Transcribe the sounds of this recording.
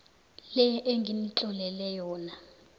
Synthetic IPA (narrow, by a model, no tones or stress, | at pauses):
lɛʔeŋɡʱinit͡ɬʼɔlɛlɛjɔːna